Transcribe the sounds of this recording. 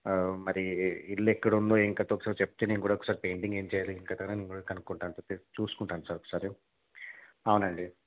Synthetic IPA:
mɐɾiilːekːɐɽunloːiŋkaːt̪oɔkɐsaːɾit͡ʃepːɐt̪enenkuːɽaɐɔkːɐ̥saːɾipejɳʈiŋɡe̞ːɲt͡ʃɛːjaːliiŋkaːt̪ɐnɐnenkuɽakɐnukuɳʈaːnt̪ot̪et͡ʃuːsu̥kuɳʈaːnsaːɾokːɐsaːɾe | ɐwunɐɳɖi

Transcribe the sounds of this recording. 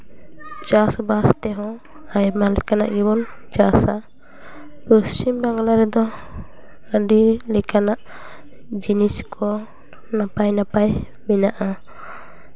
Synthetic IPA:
t͡ʃasbast̪ɛɦɔ̃ | ajmalɛkana̰ʔɡibɔnt͡ʃasa | pɔst͡ʃimbaŋɡlaɾɛd̪ɔ | əɖilɛkʰanaʔ | d͡ʒiniskʰɔ | napajnapaj | minaʔa

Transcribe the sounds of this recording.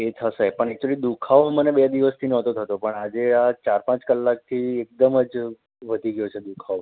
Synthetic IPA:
et̪ʰəsepəɳɛk̚t͡ʃulid̪ukʰaʋmənebed̪iʋəst̪ʰinɔ̃t̪ot̪ʰət̪opəɳad͡ʒeat͡ʃaɾpãt͡ʃkəlːak̚t̪ʰiek̚d̪əməd͡ʒ | ʋəd̪ʱiɡjot͡ʃʰed̪ukʰaʋ

